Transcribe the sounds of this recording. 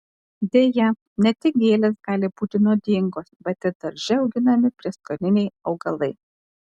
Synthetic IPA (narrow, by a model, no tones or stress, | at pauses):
d̪ʲeːjɛ | nʲɛt̪ʲɪk̚ɡʲeːlʲeːsɡɑːlʲɪbuːt̪ʲɪnoːd̪ʲɪŋɡoːsbʲɛt̪ʲɪɾd̪ɐɾʲʒʲɪɒʊɡʲɪnɐmʲɪpʲɾʲiɛskoɾʲɪnʲɛɪɒʊɡɐlˠɐɪ